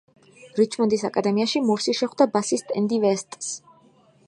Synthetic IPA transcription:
ɾit͡ʃʰmɔnd̪isakʼad̪ɛmiaʃimuɾsiʃɛχwd̪abasist̪ʼɛnd̪ivɛst̪ʼs

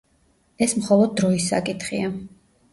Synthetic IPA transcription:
ɛsmχɔlˠɔd̪̚ːɾɔisa̰kʼit̪ʰχḭa

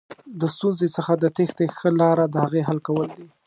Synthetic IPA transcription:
d̪əst̪unzet͡səxad̪ət̪ext̪exəlɑɾad̪əhaɣeɦalkawəld̪i

